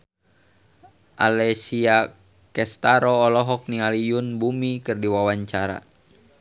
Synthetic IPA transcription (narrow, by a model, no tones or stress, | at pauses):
ʔa̰lɛsia | kɛst̪aɾɔːlɔɦɔk̚nialijunbumikɨrdiwawaɲt͡ʃaɾa̰